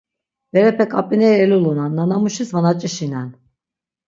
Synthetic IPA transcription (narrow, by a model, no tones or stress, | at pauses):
vɛɾɛpʰɛkʼapʼinɛjɛlulˠunanːanamuʃisvanat͡ʃʼiʃinan